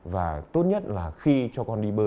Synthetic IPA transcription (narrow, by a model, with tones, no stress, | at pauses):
vaː˨˩t̪o˦˥t̚ɲə˦˥t̚laː˨˩xi˧t͡ɕɔ˧kɔ˧nɗi˧ɓəː˧